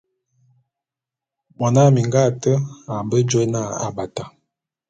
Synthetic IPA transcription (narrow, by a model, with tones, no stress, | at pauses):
ɓɔ˨na˦mi˨ŋɡa˦˨tə˦a˨mbə˦d͡ʒo˦na˦˨a̰˨ba˨ta˨